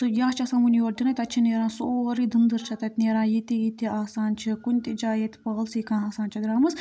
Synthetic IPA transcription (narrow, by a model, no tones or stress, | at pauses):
t̪ɨjaːt͡ʃʰɐsaːmunʲioːɾd̪inɐt̪ʲɐt̪t͡ʃʰineːɾãːsoːɾid̪ɨnd̪ɨɾt͡ʃʰɐt̪ɐt̪ʲneːɾãːjit̪iit̪iaːsaːnt͡ʃʰikunʲt̪id͡ʒaːjet̪ʲpɐɣɐlsiːkãːaːsaːnt͡ʃʰiɡɾaːmɐz